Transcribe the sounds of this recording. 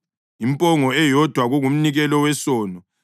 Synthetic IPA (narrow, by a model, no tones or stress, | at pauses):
impʼɔŋɔɛjɔd̥ʱwaɣuɣum̩niɣɛlɔwɛsɔːnɔ